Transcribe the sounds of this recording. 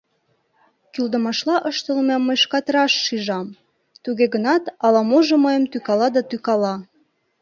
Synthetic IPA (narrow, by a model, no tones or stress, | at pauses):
kyld̪ə̆mɑʃlɑʔəʃt̪əlmɑmːəjʃkɑt̪rɑʃːiʒɑm | t̪uɣeɣənɑt̪ɑlɑmoʒeməjə̆mt̪ykɑlɑd̪ɑt̪ykɑlɑ